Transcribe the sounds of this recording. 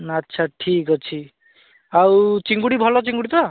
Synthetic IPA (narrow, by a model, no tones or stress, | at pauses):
atːʃʰaʈʰikɔt͡ʃʰi | awt͡ʃiŋɡuɽibʱɔlɔt͡ʃiŋɡuɽit̪ɔ